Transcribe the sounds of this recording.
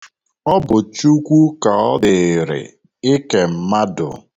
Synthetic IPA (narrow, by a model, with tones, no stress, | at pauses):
ɔ˦bʊ˨t͡ʃu˦kʷu˦ka˨ɔ˦dɪ˨ɾɪ̰˨ | ɪ˦ke˨m̩˦ma˦dʊ̰˨